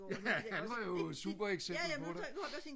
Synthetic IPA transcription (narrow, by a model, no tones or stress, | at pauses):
jæhænʋɑ̈jo̝sṵb̥ɐeɡ̥sebl̩pʰɒ̽ɾe̥